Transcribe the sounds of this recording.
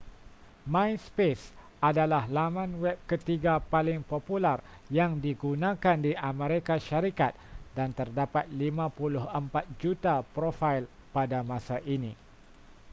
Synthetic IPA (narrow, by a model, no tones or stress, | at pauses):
mãjspes | adalahlamãnwɛp̚kət̪iɡapalɪŋpopular | jaŋdiɡunãkandiʔamẽɾekaʃaɾikat̪̚dant̪ərdapat̪̚limãpulʊhəmpat̪̚d͡ʒut̪apɾofajl | padamãsaʔinĩ